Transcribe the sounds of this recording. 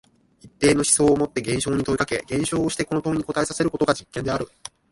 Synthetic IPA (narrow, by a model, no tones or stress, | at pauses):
it̪ːe̞ːno̞ɕi̥so̞ːmo̞t̪ːe̞ɡẽɰ̃ɕo̞ːɲ̟it̪o̞ikake̞ɡẽ̞ɰ̃ɕo̞ːɕi̥t̪e̞ko̞no̞t̪õɲ̟iko̞t̪ae̞sase̞ɾɯ̟ko̞t̪o̞ɡad͡ʑikːend̪e̞aɾɯ̟